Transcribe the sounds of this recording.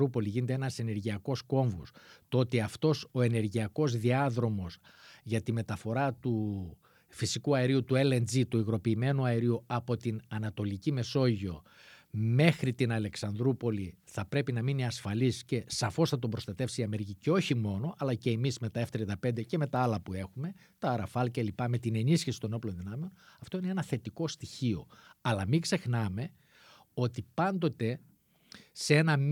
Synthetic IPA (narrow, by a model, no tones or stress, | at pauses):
ɾupo̞liʝinet̪enɐse̞ne̞ɾʝiɐko̞sko̞ɱvust̪oo̞t̪iɐft̪o̞so̞e̞ne̞ɾʝiɐko̞zðiɐðɾo̞mo̞s | ʝɐt̪ime̞t̪ɐfo̞ɾɐt̪u | fisikuɐeɾiut̪ue̞lend͡zit̪uiɣɾo̞piːme̞nuɐeɾiuɐpo̞t̪inɐnɐt̪o̞licime̞so̞ʝio̞ | me̞xɾit̪inɐle̞ksɐnd̪ɾupo̞liθɐpɾe̞pinɐminiɐsfɐlisce̞sɐfo̞sθɐt̪̬ombɾo̞st̪ɐt̪e̞fsiiɐme̞ɾiciceo̞çimo̞no̞ʔɐlɐce̞ːmizme̞t̪ɐeft̪eɾid̪ɐpe̞nd̪e̞ce̞me̞t̪ɐɐlɐpue̞xume̞ | t̪ɐːɾɐfɐlce̞lipɐme̞t̪ine̞nisçisi̥t̪o̞no̞plo̞nðinɐme̞o̞nɐft̪o̞ine̞enɐθe̞t̪iko̞st̪içio̞̰ɐlɐmiɡze̞xnɐme̞ | o̞t̪ipɐnd̪o̞t̪e̞ | se̞nɐ